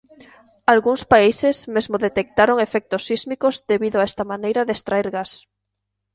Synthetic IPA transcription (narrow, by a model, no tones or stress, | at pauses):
alɣuŋspaisesmezmoðet̪ek̚t̪aɾoŋefɛk̚t̪osːizmikozðeβiðʊaɛst̪amanejɾaðest̪ɾaeɾɣas